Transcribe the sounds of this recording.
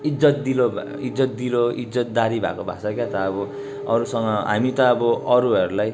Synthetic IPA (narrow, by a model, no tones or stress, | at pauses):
id͡zʌt̪̚d̪ilob̰ | id͡zʌt̪̚d̪iloid͡zʌt̪d̪aɾibʱa̰kobʱa̰sakjat̪ʌːbʌ | ʌɾusʌŋʌɦa̰mit̪ʌːbʌʌɾuɦʌɾulaj